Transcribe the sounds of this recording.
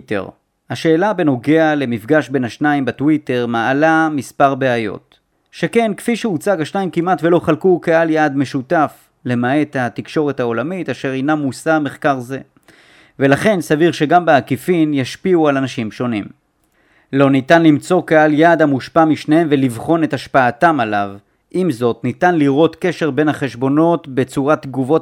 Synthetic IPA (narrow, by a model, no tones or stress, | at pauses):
tḛʁ | haʃe̞ːlabe̞no̞ɡe̞ale̞mifɡaʃbe̞naʃnaimbatwite̞ʁmaːlamispaʁbeajo̞̰t̪ | ʃe̞ke̞nkfiʃeut͡saɡhaʃnaimkimʔatve̞lo̞χalkukealjad̪me̞ʃutaf | le̞mae̞that̪ikʃo̞ʁe̞thao̞lamitaʃe̞ʁejnamːusameχkaʁze̞ | ve̞laχe̞nsaviʁʃe̞ɡambeakifinjaʃpiualanaʃimʃo̞nim | lo̞nitanlimt͡so̞kealjad̪hamuʃpamiʃnehemve̞livχo̞ne̞taʃpaːtamalav | ʔimzo̞tnit̪anliʁo̞t̪ke̞ʃe̞ʁbe̞nhaχe̞ʃbo̞no̞tbe̞t͡suʁat̪ɡuvo̞